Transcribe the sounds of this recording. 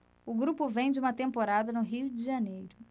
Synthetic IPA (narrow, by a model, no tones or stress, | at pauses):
ʊɡɾupʊvẽj̃d͡ʒɪumɐt̪ẽmpoɾad̪ɐnʊɦid͡ʒɪʒɐnejɾʊ